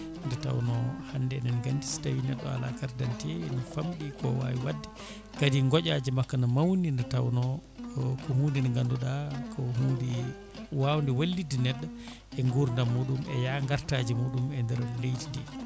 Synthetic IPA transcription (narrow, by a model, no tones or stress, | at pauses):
ndɛta̰wnɔhandɛnɛnɡandistawinɛɗːɔ̰a̰la̰kaɾdantiɛnɔfamɗikɔwa̰wiwadːɛ | kadiŋɡɔʔad͡ʒimakːanɔmawnindɛtawnɔ | kɔhuːndinɔŋɡanduɗakʰɔhuːndi | wawndɛwalːidinɛɗːa | ʔɛŋɡuɾndamuɗumɛjaŋɡaɾtad͡ʒimuɗumɛndɛɾlejtindɛ̰